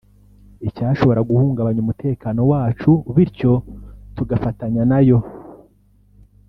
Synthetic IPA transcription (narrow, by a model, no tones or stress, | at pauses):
icaːʃo̞βo̞ɾaɡuhuːŋɡaβaɲumutʰe̞ːkano̞waːt͡ʃuβiɾco̞tuɡafataɲanajo̞